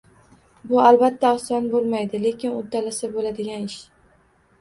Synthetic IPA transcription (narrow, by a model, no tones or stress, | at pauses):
bʊalbat̪ʰːaɒsɒnbolˠmajd̪ɪle̞kʲʰɪnʊt̪ʰːalasɪbolad̪ɪɡʲanɪʃ